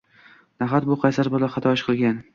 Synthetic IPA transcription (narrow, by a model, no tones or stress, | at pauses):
naɦat̪̚bʊqʰɑjsaɾbɒlaχɑt̪ʰɒɪʃqʰɨlˠɡʲan